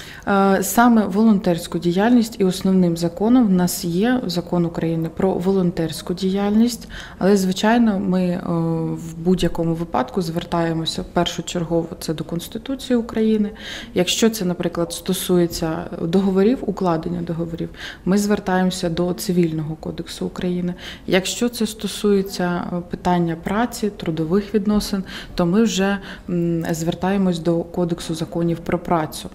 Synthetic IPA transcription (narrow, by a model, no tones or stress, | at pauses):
sɑmɛʋɔlˠɔnt̪ɛrʲsʲkʊdʲijɑlʲnʲisʲtʲiɔsnɔwnɪmzɐkɔnɔmnɑsjɛzɐkɔnʊkɾɐjinɪpɾɔ̰ʋɔlˠɔnt̪ɛrʲsʲkʊdʲijɑlʲnʲisʲtʲ | ɐlˠɛzʋɪt͡ʃɑjnɔmɪ | wbudʲjɐkɔmʊʋɪpɑ̰d̪kʊzʋert̪ɑjemɔsʲɐwpɛrʃʊt͡ʃerɦɔʋɔt̪sɛd̪ɔkɔnst̪ɪ̥t̪ut͡sʲijiʊkɾɐjinɪjɐkʃt͡ʃɔt̪sɛnɐpɾɪklˠɐd̪st̪ɔsujet͡sʲːɐd̪ɔɦɔʋɔɾʲiwʊklˠɑd̪enʲːɐd̪ɔɦɔʋɔɾʲiwmɪzʋert̪ɑjemɔsʲɐd̪ɔt̪sɪʋʲilʲnɔɦɔkɔd̪eksʊːkɾɐjinɪjɐkʃt͡ʃɔt̪sɛst̪ɔsujet͡sʲːɐpɪt̪ɑnʲːɐpɾɑt͡sʲit̪ɾʊd̪ɔʋɪxʋʲid̪nɔsɪnt̪ɔmɪwʒɛ | zʋert̪ɑjemɔsʲd̪ɔkɔd̪eksʊzɐkɔnʲiwpɾɔpɾɑt͡sʲʊ